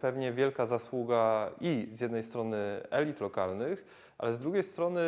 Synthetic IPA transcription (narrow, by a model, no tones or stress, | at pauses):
pɛvɲɛvʲjɛlkazaswuɡaizjɛd̪nɛjst̪ɾɔnɘɛlʲit̪lɔkalnɘx | ʔa̰lɛzd̪ɾuɡʲejst̪ɾɔnɘ